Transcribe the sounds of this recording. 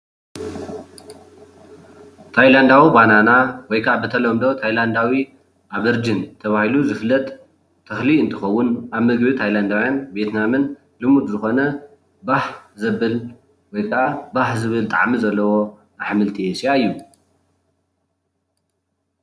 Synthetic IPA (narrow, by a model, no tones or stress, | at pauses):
t̪ʰajland̪awibananawɔjkʰɐʔabɨt̪ʰɐlɐmd̪o̞t̪ʰajland̪awi | ʔaβɨɾd͡ʒint̪ʰɐβahiluzɨflːɐt̪ʼ | t̪ʰːɐxliɨnt̪ʰɨxɐwːʊnʔaβmɨɡbit̪ʰajland̪awjanbet̪namɨn | lɨmud̪zɨxo̞nɐ | baħzɐβɨl | wɔjkʰɐabaħzɨβɨlt̪ʼa̰ʕmizɐlːɐwo̞ | naħmɨlt̪ʰiesjaɨjːu